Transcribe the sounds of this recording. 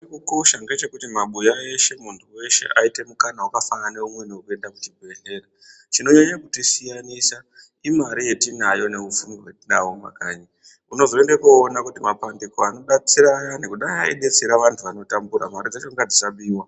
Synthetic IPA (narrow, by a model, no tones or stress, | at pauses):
ekuko̞ʃanɡe̞t͡ʃe̞kutimaɓujae̞ʃe̞muntʰuwe̞ʃe̞̰ʔaite̞mukanawakafanane̞umwenewokue̞ndakutibʱe̞ɮe̞ːra | t͡ʃino̞ɲaɲakutisijanisa | imaɾije̞tinajo̞ne̞ufumiwe̞tinawoma̰kaːɲa | uno̞zo̞endekoːnakutimapandikoano̞ɗat͡siɾajanekuɗajaḛɗe̞t͡seɾaʋantʰuʋano̞tambuɾa̰maɾid͡zat͡ʃo̞ŋɡad͡zisaɓiːwa